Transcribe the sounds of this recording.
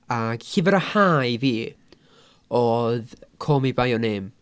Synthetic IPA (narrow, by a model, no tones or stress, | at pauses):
ḁhiːvəɾahajviː | oːðkʰoːmibajɔneːm